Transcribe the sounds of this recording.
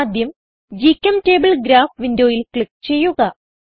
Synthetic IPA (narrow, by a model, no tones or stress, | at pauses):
d̪ʱjɐm | d͡ʑikʲːɐmte̞ːbɨɭɡɾaːfʋindoːjilkɭikːt͡ɕe̞jːuɣɐ